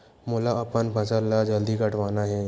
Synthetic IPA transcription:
mʊlaɐpənbʱɐsəlːad͡ʒəld̪ikɐʈʋaːnaɦɛ

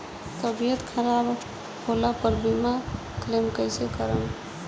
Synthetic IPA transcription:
t̪əbijət̪kʰəɾab | holapəɾbima | klemkəjsekəɾəm

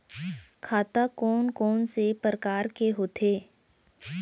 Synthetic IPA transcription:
kʰaːt̪akɔːnkɔːnsepɾəkaːɾkeɦoːt̪ʰeː

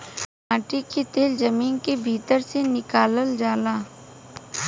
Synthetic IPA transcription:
ãːʈiket̪eːld͡ʒɐmiːnkebʱiːt̪əɾsenɪkaːləld͡ʒaːlaː

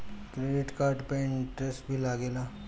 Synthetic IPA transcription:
kɾeɖɪʈkaːɾɖpẽnʈɾesbʱilaːɡeːlaː

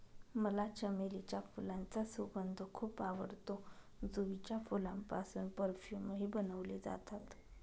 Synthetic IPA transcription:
məlat͡ɕəmelit͡ɕafulãnt͡sasubənd̪ʱəkʰuːpaʋə̰ɾt̪o | d͡zuʋit͡ɕjafulampasuːnpəɾfjuməɦiːbənəʋled͡za̰t̪at̪

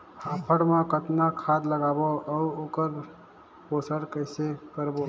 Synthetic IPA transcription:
haːpʰəɽmãkət̪nakʰad̪ləɡaboəuoːkəɾ | poːsəɽkəɪsekəɾbo

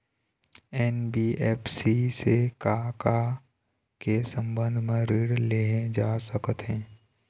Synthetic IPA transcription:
ɛːnbiɛːpʰsisekaka | kesə̃mbə̃nd̪ʱmẽɾiɽleɦẽd͡ʒaːsəkət̪ɦɛ̃ː

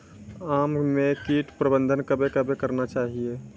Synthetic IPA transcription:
aːmmekiːʈpɾəbə̃nd̪ʱənkəbekəbekəɾnat͡ʃaːɦie

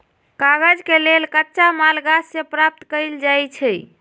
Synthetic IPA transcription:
kaɡəd͡ʒkelelkətːʃamalɡasːẽpɾap̚t̪kəjld͡ʒajt͡ʃʰɛ

